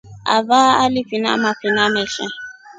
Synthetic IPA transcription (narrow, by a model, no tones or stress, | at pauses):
a̰vaːalɪfina̰mafinamɛɬɛ